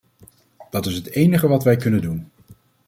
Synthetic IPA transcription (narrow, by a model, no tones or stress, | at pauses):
d̥ɑtɪsɦətejnəχəʋɑtʋɛjkɵnəndun